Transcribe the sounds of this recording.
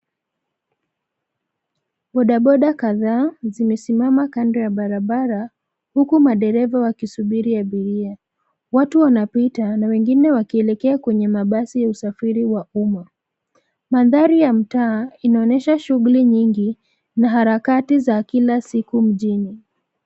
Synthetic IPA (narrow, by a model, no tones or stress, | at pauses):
ɓɔɗaɓɔɗakaðaːzimɛsimamakandɛjaɓaɾaɓaɾa | hukumaɗɛɾɛvawakisuɓiɾijaɓiɾia | watuwanapitanawɛŋɡinɛwakiɛlɛkɛakwɛɲɛmaɓasijausafiɾiwauma | manðaɾijam̩taːinaɔnɛʃaʃuɣuliɲiŋɡi | naɦaɾakatizakilasikum̩ʄini